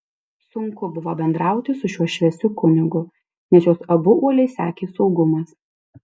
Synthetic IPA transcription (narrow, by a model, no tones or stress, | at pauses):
sʊŋkʊbʊʋoːbʲɛnd̪ɾɑˑʊt̪ʲɪsʊʃʲuɔʃʲʋʲɛsʲʊkʊnʲɪɡʊ | nʲɛsjoːsɐbʊuɔlʲɛɪsʲæːkʲeːsɒʊɡʊmɐs